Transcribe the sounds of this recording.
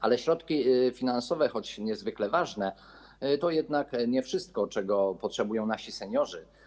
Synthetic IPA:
ʔalɛɕɾɔt̪kʲifʲinansɔvɛxɔt͡ɕɲɛzvɘklɛvaʐnɛ | t̪ɔjɛd̪nakɲɛfʂɘst̪̚kɔt͡ʂɛɡɔpɔtʂɛbujɔ̃w̃naɕisɛɲɔʐɘ

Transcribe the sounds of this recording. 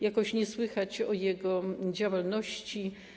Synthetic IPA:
jakɔɕɲɛswɘxat͡ɕɔjɛɡɔd͡ʑawalnɔɕt͡ɕi

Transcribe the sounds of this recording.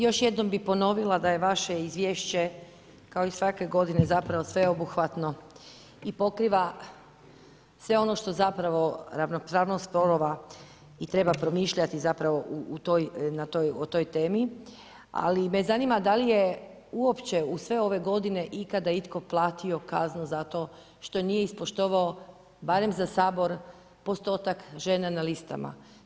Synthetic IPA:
jo̞ʃje̞d̪no̞mbipo̞no̞ʋilˠad̪aje̞ʋaʃeizʋjeːʃt͡ɕe̞ | kao̞isʋake̞ɡo̞d̪ine̞zapɾaʋo̞sʋe̞o̞buxʋat̪no̞ | ipo̞kɾiːʋa | sʋe̞o̞no̞ʃt̪o̞zapɾaʋo̞ɾaʋnopɾaːʋnost̪̚pɾoɾoʋa | it̪ɾe̞bapɾo̞miːʃʎat̪izapɾaʋo̞ʔuut̪ojnat̪ojot̪o̞jt̪e̞ːmi | a̰limezanimad̪alije | uo̞pt͡ɕe̞usʋe̞o̞ʋe̞ɡo̞d̪ine̞ʔikad̪ait̪ko̞plˠaːt̪io̞kaznuzat̪o̞ː | ʃt̪o̞nijeispoʃt̪o̞ʋao | baɾe̞mzasaːbo̞ɾ | po̞st̪o̞ːt̪akʒe̞nanalist̪a̰ma̰

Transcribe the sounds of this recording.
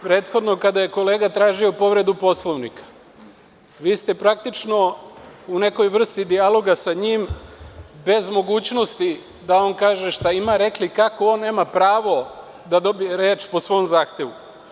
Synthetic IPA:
pɾe̞ːt̪xo̞d̪no̞kad̪aje̞ko̞le̞ːɡat̪ɾaːʒio̞po̞ʋɾe̞d̪upo̞slˠoʋnikḁ | ʋiːst̪e̞pɾak̚t̪it͡ʃno̞une̞ko̞jʋr̩st̪id̪ialˠo̞ɡasaɲim | be̞zmo̞ɡuːt͡ɕno̞st̪i | d̪ao̞ːnkaːʒe̞ʃt̪aimaɾe̞klikakoo̞nːe̞ːmapɾaːʋo̞ | d̪ad̪o̞bijeɾe̞ːt͡ʃposʋo̞mzaːxt̪e̞ʋu

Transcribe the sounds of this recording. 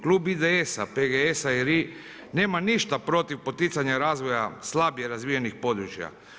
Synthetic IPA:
klˠuːbid̪eesapeɡeesaiɾi | ne̞ːmaniʃt̪apɾo̞t̪iʋpo̞t̪it̪saɲaɾaːzʋo̞jaslabjeɾazʋijenixpo̞d̪ɾut͡ʃja̰

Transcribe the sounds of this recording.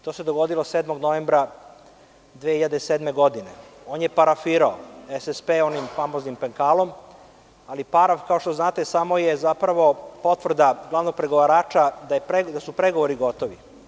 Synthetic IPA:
t̪ose̞d̪oɡo̞d̪ilo̞sed̪moɡno̞ʋeːmbɾa | d̪ʋehiʎad̪esed̪me̞ɡo̞d̪ineo̞ːnjepaɾafiːɾaoesespeːo̞nimfamoznimpeŋkaːlˠo̞m | alipaɾafkaoʃt̪oznaːt̪esamo̞jezapɾaʋo̞po̞t̪ʋr̩d̪aɡlˠaʋno̞ɡ̚pɾeɡoʋaɾaːt͡ʃad̪ajepɾed̪asupɾeɡo̞ʋoɾiɡo̞t̪o̞ʋi

